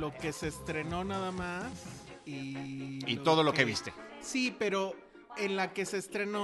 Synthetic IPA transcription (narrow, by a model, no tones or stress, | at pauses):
o̞ke̞se̞ːst̪ɾe̞no̞naðamas | iit̪oðo̞lokeβist̪esipe̞ɾo̞ | enlake̞se̞ːst̪ɾe̞no